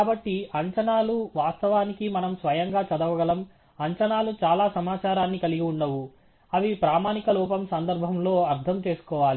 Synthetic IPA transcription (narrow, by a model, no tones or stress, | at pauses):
kaːbɐʈːiɐɲt͡ʃɐnaːluʋaːst̪ɐʋaːnikimɐnɐmsʋɐjɐŋɡaːt͡ʃɐd̪ɐʋɐɡɐlɐm | ɐɲt͡ʃɐnaːlut͡ʃaːlaːsɐmaːt͡ʃaːɾaːnːikɐliɡiuɳɖɐʋu | ɐʋipɾaːmaːnikɐluːpɐmsɐnd̪ɐɾbʱɐmlo̞ːɐɾt̪ʰɐmt͡ʃe̞ːsu̥kɔːʋaːli